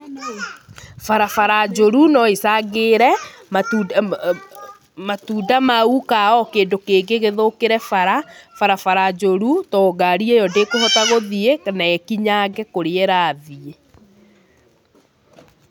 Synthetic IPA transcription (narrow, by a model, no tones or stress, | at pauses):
faɾafaɾad͡ʒoɾunɔesaɣeɾɛmatu | matudamaukaɔkeːndokeːɡeɣeðokeɾɛfaɾafaɾafaɾad͡ʒoɾutɔɡaɾiɛjɔdekohɔtaɣoðiekanaɛkiɲaːɡɛkoɾeɛɾaːðie